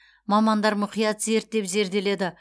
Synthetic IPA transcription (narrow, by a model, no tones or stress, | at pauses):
mɑmɑnd̪ɑɾmʊqijɑt̪ze̞ɾt̪̚d̪e̞pze̞ɾd̪e̞le̞d̪ɪ